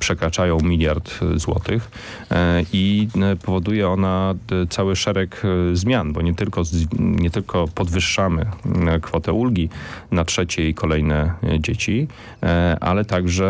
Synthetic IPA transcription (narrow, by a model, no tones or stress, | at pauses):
pʂɛkɾat͡ʂajɔ̃w̃mʲilʲjaɾt̪zwɔ̰t̪ɘx | ipɔvɔd̪ujɛɔnat̪sawɘʂɛɾɛkzmʲjanbɔɲɛt̪ɘlkɔɲɛt̪ɘlkʰɔpɔd̪vɘʂːamɘ̰kfɔt̪ɛʔulɡʲinatʂɛt͡ɕɛikʰɔlɛjnɛd͡ʑet͡ɕi | ʔa̰lɛt̪aɡʐɛ